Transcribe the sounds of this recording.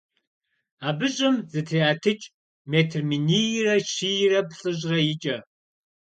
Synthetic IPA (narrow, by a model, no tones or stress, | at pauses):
aːbɨɕʼɪmzɨtʰiaːtʰɨt͡ʃʼ | meːtʰrminirɐʃijrɐpɬʼɨʑrɐjɪt͡ʃʼɐ